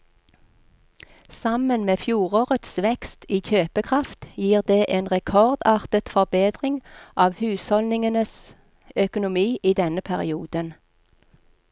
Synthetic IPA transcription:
sɑmənmeːfjuːʁoːʁət̪sʋɛkst̪iːçøːpəkʰʁɑft̪jiːʁd̪eːʔeːnʁɛkʰɔʁd̪ɑːʁt̪ət̪fɔʁbeːd̪ʁɪŋʔɑːʋhʉːshɔlnɪŋənəs | œkʊnʊmiːʔiːd̪ɛnəpʰæʁɪ̰uːd̪ən

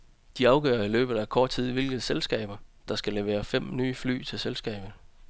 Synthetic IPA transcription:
d̥iɑ̈ʊɡ̥œ̰ːɐilø̰ːb̥ð̩ˠækʰɒ̰ːd̥̚t͡sʰið̰ˠʋe̝lɡ̥ð̩ˠselsɡ̥ɛ̰ːb̥ɐd̥ɑ̈sɡ̥æleʊe̝̰ːɐfem̰nyːfly̰ːt͡sʰe̝lselsɡ̥ɛ̰ːb̥ð̩ˠ

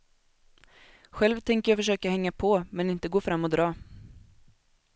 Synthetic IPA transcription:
ɧɛlvt̪ʰɛŋkəjɑːfœʂøːkahɛŋːapʰɔmɛnɪnt̪əɡoːfɾamːɔd̪ɾɑː

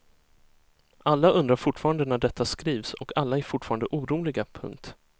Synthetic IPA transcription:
ʔalːaɵnd̪ɾaɾfʊʈfɑːɾand̪ənæɖɛt̪ʰːaskɾiːvsɔkʰalːaɛɾfʊʈfɑːɾand̪əʔuːɾuːlɪɡapʰɵ̰ŋk̚t̪

